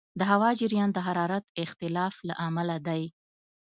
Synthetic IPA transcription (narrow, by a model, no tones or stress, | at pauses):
d̪əɦawɑd͡ʒɪɾjɑnd̪əɦaɾɑɾat̪ɪxt̪ɪlɑfla̰ʔamalad̪aj